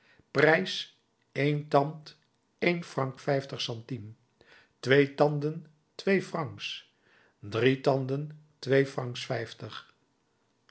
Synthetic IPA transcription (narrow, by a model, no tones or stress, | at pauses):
prɛjs | ejntɑnt | ejnfrɑŋkfɛjftəχsɑntim | tʋejtɑndən | tʋejfrɑŋks | dritɑndəntʋejfrɑŋksfɛjftəχ